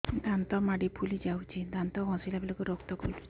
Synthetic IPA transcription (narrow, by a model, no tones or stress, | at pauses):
d̪ʱãnt̪ɔmaɽipʰulid͡ʒawt͡ʃid̪ʱãnt̪ɔɦɔ̃silapilekuɾɔkt̪ɔkolu